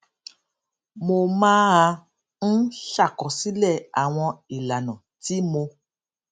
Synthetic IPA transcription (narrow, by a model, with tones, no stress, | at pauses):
mo˧mãː˦a˧ | n̩˦ʃa˦˨kɔ˨si˦lɛ˦˨a˨w̃ɔ̃˧i˨la˨nɔ̃˨ti˦mo˧